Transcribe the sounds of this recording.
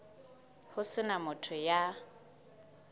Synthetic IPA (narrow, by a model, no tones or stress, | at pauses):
hʊsɪnamʊtʰʊja